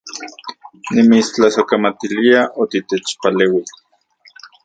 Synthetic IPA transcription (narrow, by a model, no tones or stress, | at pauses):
nimit͡st͡ɬasokamat̪iliaʔot̪it̪et͡ʃpaleːwi